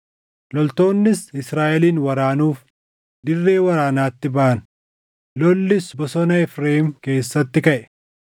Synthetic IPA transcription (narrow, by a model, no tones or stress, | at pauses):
lɔlt̪o̞ːnːɪsɪsɾaːʔɛliːnwɐɾaːnuːf | d̪ɪrːe̞ːwɐɾaːnaːt̪ːɪbɐaʔɐnʊ̥ | lɔlːɪsbɔsɔnɐɛfɾeːhɪmke̞ːsːɐt̪ːɪkɐʔɛ̥